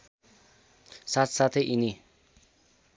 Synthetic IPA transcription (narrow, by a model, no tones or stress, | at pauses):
sat̪ʰsat̪ʰeʔini